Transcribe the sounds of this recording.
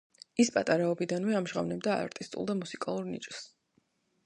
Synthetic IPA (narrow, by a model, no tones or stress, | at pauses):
ispʼat̪ʼaɾaɔbid̪anvɛamʒʁa̰vnɛbd̪aa̰ɾt̪ʼist̪ʼṵlˠd̪amusikʼalˠuɾnḭt͡ʃʼs